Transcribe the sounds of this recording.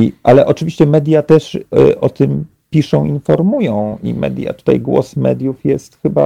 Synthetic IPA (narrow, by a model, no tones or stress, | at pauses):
iʔalɛʔɔt͡ʂɘvʲiɕt͡ɕɛmɛd̪ʲjat̪ɛʂʔɔt̪ɘm | pʲiʂɔ̃w̃infɔɾmujɔ̃w̃ʔḭmɛ̰d̪ʲja̰t̪u̥t̪ajɡwɔ̰smɛd̪ʲjufjɛst̪xɘba